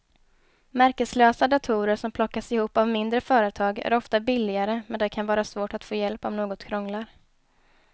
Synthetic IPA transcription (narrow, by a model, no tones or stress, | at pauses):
mæɾkəsløːsad̪at̪ʰuːɾəɾʂɔmpʰlɔkːasɪhuːpːavmɪnd̪ɾəfœːɾət̪ʰɑːɡæ̰ɾɔft̪abɪlːɪɡaɾəmɛnd̪ɛkʰanvɑːɾasvoːʈat̪foːjɛlpɔmnoːɡɔt̪kʰɾɔŋlaɾ